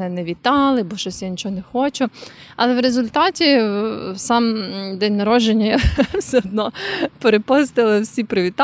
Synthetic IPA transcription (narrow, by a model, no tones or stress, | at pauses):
ɛnɛʋʲit̪ɑlˠɪbɔʃɔsʲjanʲit͡ʃɔɦɔnɛxɔt͡ʃʊ | ɐlˠɛwɾezʊlʲt̪ɑtʲi | sɑmd̪ɛnʲnɐɾɔʒd͡ʒenʲːɐjwsɛɔd̪̚nɔpeɾepɔst̪ɪlˠɪwsʲipɾɪʋʲit̪ɑ